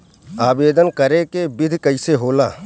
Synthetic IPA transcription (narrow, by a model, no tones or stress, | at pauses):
aːbeːd̪ənkɐɾekebɪd̪ʱkɐɪseɦoːlaː